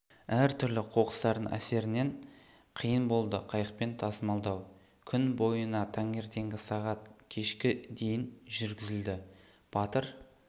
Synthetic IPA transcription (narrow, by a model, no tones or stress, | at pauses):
æɾt̪ʰʏɾlɪqʰo̞qə̥st̪ɑɾd̪əŋʔæ̰se̞ɾɪne̞ɴ | qʰijənbo̞lˠd̪əqʰɑjəq̚pe̞nt̪ʰɑsəmɑlˠd̪ɑw | kʲʰʏnbo̞jənɑt̪ʰɑŋe̞ɾt̪e̞ŋɡʲɪsɑʁɑt̪kʲʰe̞ʃkʲɪd̪e̞jɪnʒʏɾɡʲɪzɪld̪ɪ | b̥ɑt̪əɾ